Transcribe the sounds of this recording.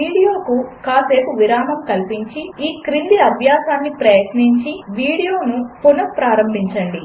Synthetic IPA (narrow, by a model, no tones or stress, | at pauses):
ʋiːɽijo̞ːkukaːse̞ːpuʋiɾaːmɐmkɐlpiɲt͡ʃiiːkɾind̪iɐbʱjaːsaːnːipɾɐjɐʈ̪niɲt͡ʃiʋiːɽijo̞ːnupunɐkpɾaːɾɐmbʱiɲt͡ʃɐɳɖi